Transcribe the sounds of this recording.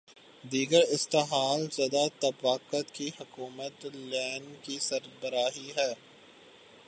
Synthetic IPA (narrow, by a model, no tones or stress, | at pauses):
d̪iːɡəɾɪst̪eɦaːlzjɐd̪at̪ɐbaːkət̪kihʊkuːmət̪lɛːnkisɐɾbəɾaːɦiɦɛː